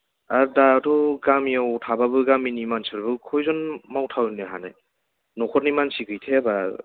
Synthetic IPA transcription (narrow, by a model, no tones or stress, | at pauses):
aɾdatʰɔɡamiawtʰababɯɡaminimansiɾbɯkʰɔjzɔnmawtʰawnɯɦana̰ | nɔkʰɔt̚nimansiɡɯjtʰeaba